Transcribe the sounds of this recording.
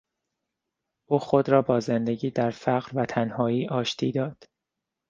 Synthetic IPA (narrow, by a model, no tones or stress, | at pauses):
ʔuːxod̪ɾɒːbɒːzend̪eɟiːd̪æɾfæɣɾvæt̪ʰænhɒːiːʔɒːʃt̪ʰḭːd̪ɒːd̪̥